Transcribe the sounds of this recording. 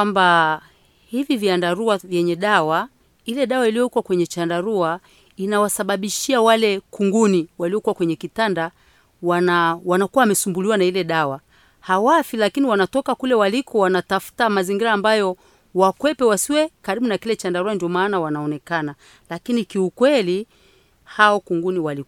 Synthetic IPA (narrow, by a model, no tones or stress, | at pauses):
amba | hiviviandaɾuavjɛɲɛɗawa | ilɛɗawailijɔikwakwɛɲɛt͡ʃandaɾua | inawasaɓaɓiʃiawalɛkuŋɡuniwaliɔkuwakwɛɲɛkitanda | wanawanakuawamɛsumbuliwanailɛɗawa | hawafilakiniwanatɔkakulɛwalikɔwanatafu̥tamaziŋɡiɾaːmbajɔ | wakwɛpɛwasiwɛkaɾiɓunakilɛt͡ʃandaɾuandiɔmaːnawanaɔnɛkana | lakinikiukwɛli | haɔkuŋɡuniwalik